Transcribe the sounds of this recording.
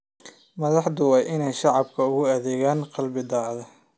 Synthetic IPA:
mɐðɑħd̪ʊwɑːjʔɪnɛjʃɑʕɑbkʰɐʊɣʊɐðɛːɣaːnqɑlbɪd̪ɑːʕðɐ

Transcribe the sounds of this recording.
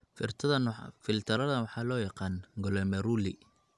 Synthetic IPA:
fɪ̰rt̪ʰɐðɐnfɪlt̪ʰɐɾɐðɐwɑħɑːlɔːjɑqɑːnɡɔlɛmɛɾuːlḭ

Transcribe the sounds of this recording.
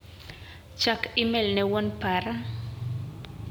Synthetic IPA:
t͡ʃakɪmɛlnɛwɔnpaɾa

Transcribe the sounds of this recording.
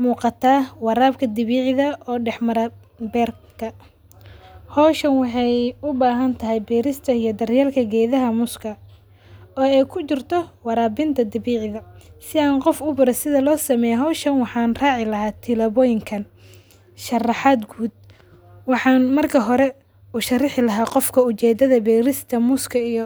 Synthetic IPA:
muːqɑt̪ʰaːwɑɾaːb̚kʰɐd̪ɪβiːʕɪðɐɔːɖɛħmɐɾɐ | bɛːrkʰɐ | hɔːʃɐnwɑħɑjʊbaːɦɐnt̪ʰɐɦɛjbɛːɾɪst̪ʰɐijɔd̪ɐrjɛːlkʰɐɡɛːðɐɦɐmʊskʰɐ | ɔːɛjkʰʊt͡ʃɪrt̪ʰɔwɑɾaːbɪnt̪ʰɐd̪ɪβiːʕɪðɐsɪaːnqɔfʊbʊɾɛsɪðɐlɔːsɐmɛːjɦɔːʃɐnwɑħɑːnraːʕɪlɐɦaːt̪ʰɪlɐβɔjɪŋkʰɐn | ʃɐrɑħaːd̪ɡuːd̪̚ | wɑħɑːnmɐrkʰɐɦɔɾɛ | ʊʃɐrɪħɪlɐɦaːqɔfkʰɐʊt͡ʃɛːd̪ɐðɐbɛːɾɪst̪ʰɐmʊskʰɐijɔ

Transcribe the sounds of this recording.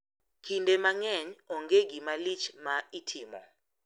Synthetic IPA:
kʰindɛmaŋɛɲɔŋɡeɡimalit͡ʃʰmaitʰiːmɔ̰

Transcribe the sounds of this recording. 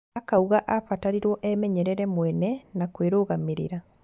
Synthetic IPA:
akauɣaʔafataɾiɾwɔʔɛmɛɲɛɾɛɾɛmwɛnɛnakweɾoːɣameɾḭɾa

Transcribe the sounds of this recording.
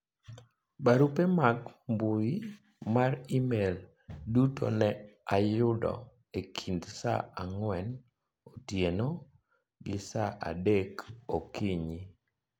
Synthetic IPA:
baɾupemaɡmbuji | maɾimel | duto̰nɛajʊdɔ̰ | ekʰindsa̰aŋwɛn | otjeno | ɡɪsaʔa̰dekokiɲi

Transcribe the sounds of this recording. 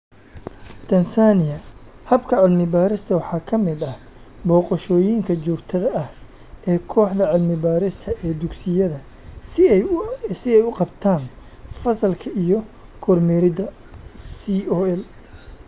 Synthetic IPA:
t̪ʰɐnsaːnɪjɐhɐbkʰɐʕɪlmɪbaːɾɪst̪ʰɐwɑħɑːkʰɐmɪd̪ɐhbɔːqɔʃɔːjiŋkʰɐt͡ʃɔːɡt̪ʰɐðɐʔɐh | ɛːkʰɔːħd̪ɐʕɪlmɪbaːɾɪst̪ʰɐʔɛːd̪ʊɡsɪjɐðɐ | sɪɛjʊqɑbt̪ʰaːn | fɐsɐlkʰɐʔijɔkʰɔrmɛːɾɪd̪ɐ | siɔɛl

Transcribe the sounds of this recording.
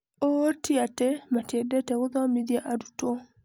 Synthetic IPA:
otiatɛmatɛdɛtɛɣoðamiðjaʔadutɔ

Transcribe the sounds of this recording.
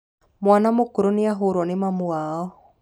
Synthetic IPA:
mwanamokoɾoneaɦoɾwɔnemamuaɔ

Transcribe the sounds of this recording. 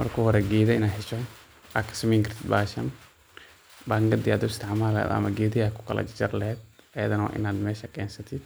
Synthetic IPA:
mɐ̰rkʰɔːhɔɾɛɡeːðɐɪnaːħɪt͡ʃɔ | akʰːɐ̥sɐmiŋkɐɾ̥t̪ʰɪd̪̚baːʃɐ̰n | baːŋɡɐd̪ɪaːd̪ɔst̪ʰɛʕmaːlɐɛ̰ːd̪ɐ̰mɐɡeːdɪjakʰʊ̥kʰɐlɐ̰d͡ʒt͡ʃɐɾlɐhɛːd̪ɐjɐðɐnɐwa̰ːʔɪ̰naːd̪mɛːʃɐkɛːnsɐt̪ʰɪd̪̚

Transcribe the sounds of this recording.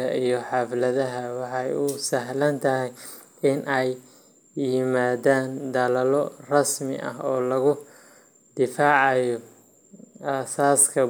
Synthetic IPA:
ɐʔijɔħɑflɐðɐɦɐwɑħɑjʊsɐɦlɐnt̪ʰɐɦɛj | ɪnʔɛjː | ɪmaːðaːnd̪ɐlɐlɔrɑsmɪ̰ʔɐ̰ɦɔːlɐɣʊ | d̪̥ɪfaːʕɑjɔ | aːsaːskʰɐ

